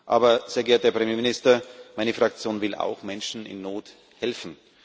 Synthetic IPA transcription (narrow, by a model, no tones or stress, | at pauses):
ʔa̰ːbɐz̥eːɐɡɛːɐt̚d̥eːɐpʁ̥emjeːmɪnɪstɐmaɪnəfʁ̥ak̚t͡sjoːnvɪla̰ʊxmɛnʃn̩ɪ̰nːoːt | hɛlfn̩